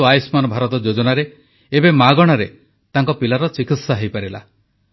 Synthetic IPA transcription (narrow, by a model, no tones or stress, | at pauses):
uajsmanɔbʱaɾɔt̪ɔd͡ʒod͡ʒɔnaɾe | ebemaɡɔɽ̃aɾe | t̪aŋkɔpilaɾɔt͡ʃikit̪saɦejpaɾila̰